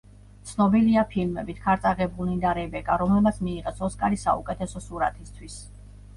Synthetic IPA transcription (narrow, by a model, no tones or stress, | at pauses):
t̪sʰnɔbiliapʰilmɛbit̪ʰkʰaɾt̪sʼaʁɛbulnid̪aɾɛbɛkʼaɾɔmlɛlmat̪sʰmiːʁɛsɔskʼaɾisa̰ukʼɛt̪ʰɛsɔsuɾa̰t̪ʰist̪ʰwis